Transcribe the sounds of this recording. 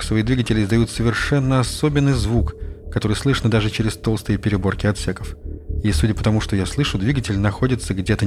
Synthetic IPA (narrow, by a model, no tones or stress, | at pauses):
ksvɐijd̪vʲiɡətʲɪlʲɪɪzd̪ɐjut̪səvʲɪrʂɛnːəɐso̞bʲɪnːɨjzvukkːɐt̪o̞ɾɨjslˠɨʂnəd̪aʐɨt͡ɕɪɾʲɪst̪o̞lˠst̪ɨjəpʲɪɾʲɪbo̞rkʲɪɐt̪sʲekəfisudʲɪpət̪ɐmuʂt̪o̞jaslˠɨʂʊd̪vʲiɡətʲɪlʲnɐxo̞dʲɪt̪səɡdʲet̪ə